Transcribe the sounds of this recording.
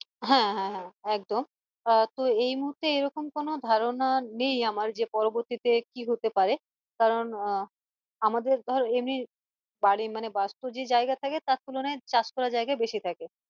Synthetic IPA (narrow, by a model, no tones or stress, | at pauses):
ɦɛ̃ɦɛ̃ɦɛ̃ɛk̚d̪om | t̪oejmuɦuɾt̪ːeejɾɔkomkonod̪ʱaɾonanejamaɾd͡ʑepɔɾoboɾt̪it̪ekiɦot̪epaɾe | kaɾon | amad̪eɾd̪ʱɔɾoemni | baɽimanebast̪od͡ʑed͡ʑaeɡat̪ʰaket̪at̪̚kulonajt͡ɕaskɔɾad͡ʑajɡaebeʃit̪ʰake